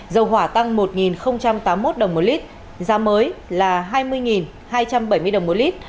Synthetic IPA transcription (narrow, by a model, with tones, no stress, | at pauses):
zə˨˩wɦwaː˧˩t̪a˧ŋmo˨˩t̚ŋi˨˩nxə˧wŋ͡mt͡ɕa˧mt̪aː˨˦mːo˦˥t̚ɗə˨˩wŋ͡mmo˨˦t̚li˦˥t̚ | zaː˨˦məː˨˦jlaː˨˩ɦaː˧jmɨ˧əjŋi˨˩n | haː˧jt͡ɕa˧mɓə˧˩jmɨ˧əjɗə˨˩wŋ͡mmo˨˦t̚li˦˥t̚